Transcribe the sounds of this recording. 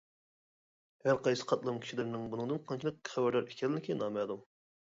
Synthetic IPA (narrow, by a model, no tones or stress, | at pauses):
hæɾqɑjsɨ̥qʰɑt̪̚lˠɨmkʲʰi̥ʃilɪɾnɪŋbunɨŋd̪ɨnqʰɑnt͡ʃʰilˠɨkχɛbæɾlæɾikʲɛlɪlɪkʲʰejinɑːmɛd̪um